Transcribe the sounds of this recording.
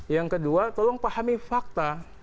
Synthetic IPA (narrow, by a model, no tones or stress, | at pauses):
jaŋkəduat̪ɔlɔŋpahamifak̚t̪a